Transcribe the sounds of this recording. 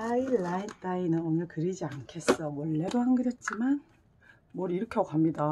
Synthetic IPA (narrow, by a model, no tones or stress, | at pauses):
ailaint͈ainɯnonʌɭkɯɾid͡ʑiankʰe̞s͈ʌmwʌɭːe̞doɦaŋɡɯɾjet̚t͡ɕ͈iman | mwʌɾiɾʌkʰʌɡoɦamɲida